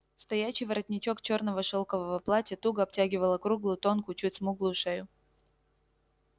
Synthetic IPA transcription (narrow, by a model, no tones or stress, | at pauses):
st̪ɐjæɕːɪjvɐɾɐtʲnʲɪt͡ɕo̞kt͡ɕo̞rnəvəʂolˠkəvəvɐplˠatʲɪt̪uɡəɐp̚tʲæɡʲɪvəlˠəkɾuɡlˠʊjʊt̪o̞nkʊt͡ɕutʲsmuɡlˠʊjʊʂɛjʊ